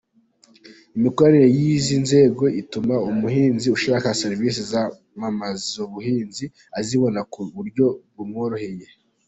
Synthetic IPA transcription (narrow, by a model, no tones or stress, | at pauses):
imiko̞ɾaniɾe̞jizinze̞ɡo̞ʔitumaumuɦiːnziuʃiɾakaseɾivisiza | mamazzoβuhiːnzi | aziβo̞nakuβuɾɟo̞βumŋoɾohe̞je̞